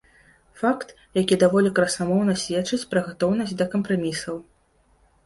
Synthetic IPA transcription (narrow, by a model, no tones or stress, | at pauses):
fakt̪ | jakʲid̪avɔlʲikɾɐsamɔwnɐsʲvʲɛt͡ʂɨt͡sʲpɾɐɣat̪ɔwnɐsʲt͡sʲd̪ɐkɐmpɾamʲisɐw